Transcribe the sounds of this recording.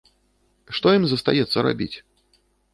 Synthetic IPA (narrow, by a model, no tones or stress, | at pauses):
ʂt̪ɔjimzəst̪ajɛt̪sːɐɾa̰bʲit͡sʲ